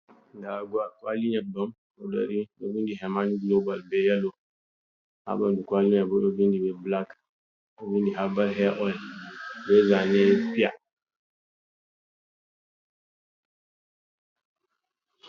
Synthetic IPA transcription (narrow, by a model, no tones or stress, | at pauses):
daɡuakwaliɲabɔm | oda̰ɾinovindiɦɛmaniɡlobalbɛjalo | ha̰bandukwaliɲabodovindibɛblak | ovindiɦabalɦɛʔɔlbɛzanɛpia